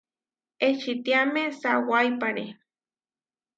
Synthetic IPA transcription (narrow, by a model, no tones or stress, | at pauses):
eʃit̪iamesawajpaɾe